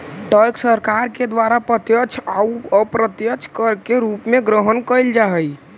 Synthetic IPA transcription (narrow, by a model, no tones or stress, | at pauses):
ʈəjksəɾkaɾked̪ʋaɾapɾət̪jət͡ʃʰaəpɾət̪jət͡ʃʰkəɾkeɾupmeɡɾəɦənkəjld͡ʒaɦəj